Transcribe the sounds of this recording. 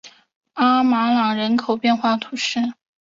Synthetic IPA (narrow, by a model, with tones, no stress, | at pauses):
a˥ma˧˥lɑ˨˩ŋɻə˧˥nkʰo˨˩ʊpjɛ˥˧nxwa˥˩t̪ʰu˧˥ʂɻ̩˥˩